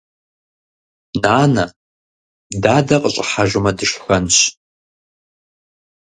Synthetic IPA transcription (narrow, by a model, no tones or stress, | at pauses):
naːnɐ | daːdɐqʼəɕʼħaʒʷɨmɐdɨʂxɐnɕ